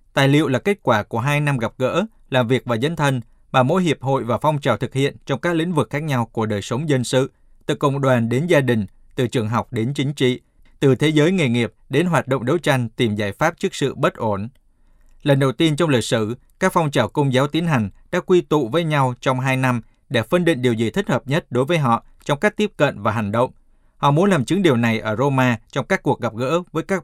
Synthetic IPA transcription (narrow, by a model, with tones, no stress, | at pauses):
t̪aː˨˩jlḭ˧˨əwlaː˨˩ke˦˥t̚kwaː˧˩ku˧˩əɦaː˧jna˧mɣa˨˩p̚ɣə̰ː˧˥ | laː˨˩mvi˨˩ək̚vaː˨˩zə˨˦jŋt̪ʰə˧n | maː˨˩mo̰˧˥jɦi˨˩əp̚ɦo̰˧˨jvaː˨˩fɔ˧wŋ͡mt͡ɕaː˨˩wt̪ʰɨ˨˩k̚hḭ˧˨ənt͡ɕɔ˧wŋ͡mkaː˦˥k̚lḭ̈˧˥ŋ̟vɨ˨˩k̚xaː˦˥k̚ɲa˧wku˧˩əɗəː˨˩jsə˨˦wŋ͡mzə˧nsɨ̰˧˨ | t̪ɨ̰˧˨kːə̰˧˨wŋ͡mɗwaː˨˩nɗe˨˦nzaː˧ɗï˨˩ŋ̟ | t̪ɨ˨˩t͡ɕɨ˨˩əŋɦa˨˩wk͡p̚ɗe˨˦nt͡ɕï˨˦ŋ̟t͡ɕḭ˧˨ | t̪ɨ˨˩t̪ʰe˨˦zəː˨˦jŋe˨˩jŋi˨˩əp̚ɗe˨˦nɦwaː˨˩t̚ɗo̰˧˨wŋ͡mɗo˨˦wt͡ɕa˧jŋ̟t̪i˨˩mzaː˧˩jfaː˦˥p̚t͡ɕɨ˦˥ək̚sɨ̰˧˨ɓə˦˥t̚ʔo˧˩n | lə˨˩nɗə˨˩wt̪i˧ənt͡ɕwŋ͡mli˨˩k̚sɨ˧˩ | kaː˦˥k̚fɔ˧wŋ͡mt͡ɕaː˧˩wkə˧wŋ͡mzaː˨˦wt̪i˨˦ənɦa˨˩jŋ̟ɗa̰ː˧˥kwi˧t̪ṵ˧˨vəː˨˦jɲa˧wt͡ɕɔ˧wŋ͡mɦaː˧jna˧m | ɗe˧˩fə˧nɗḭ˧˨ŋ̟ɗi˨˩əwzḭ˨˩t̪ʰï̟˦˥həː˨˩p̚ɲə˦˥t̚ɗo˨˦jvəː˨˦jɦɔ̰˧˨ | t͡ɕɔ˧wŋ͡mka˦˥k̚t̪i˦˥əp̚kə̰˧˨nvaː˨˩ɦa˨˩jŋ̟ɗə̰˧˨wŋ͡m | hɔ̰˧˨mu˨˦ənlaː˨˩mt͡ɕɨ˨˦ŋɗi˨˩əwna˨˩jʔəː˧˩zo˧maː˧t͡ɕɔ˧wŋ͡mkaː˦˥kːu˨˩ək̚ɣə˨˩p̚ɣə̰ː˧˥vəː˨˦jkaː˦˥k̚